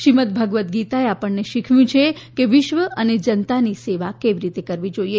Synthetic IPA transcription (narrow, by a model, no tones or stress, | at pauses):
ʃimət̪̚bʱəɡʋət̪̚ɡit̪aeapəɳːeʃikʰʋjũt͡ʃʰekeʋɪʃʋəʔəned͡ʒənt̪aniseʋakeʋiɾit̪ekəɾʋid͡ʒoie